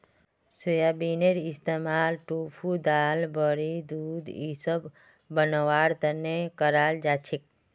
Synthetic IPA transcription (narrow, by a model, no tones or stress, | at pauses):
sujabineɾist̪emalʈupʰud̪albəɾid̪ud̪isəbː | ənəʋaɽt̪ənːekəɾald͡ʒat͡ʃʰek̚